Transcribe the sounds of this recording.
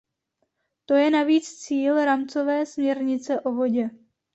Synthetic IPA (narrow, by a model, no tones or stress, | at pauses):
t̪o̞jɛnaviːt͡st͡siːlɾamt͡so̞vɛːsmɲɛɾɲɪt͡sɛʔo̞vo̞ɟɛ